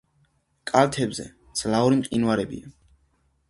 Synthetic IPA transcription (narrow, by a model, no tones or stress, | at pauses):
kʼalt̪ʰɛbzɛ̰ | d̪z̥lauɾimqʼinwaɾɛbḭa